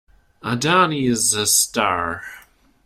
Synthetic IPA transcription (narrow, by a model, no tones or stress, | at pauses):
ədaniɪzəstɑɹ